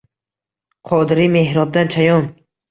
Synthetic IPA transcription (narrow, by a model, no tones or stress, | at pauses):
qʰɔd̪ɾimehɾɔb̚d̪ant͡ʃʰajɔn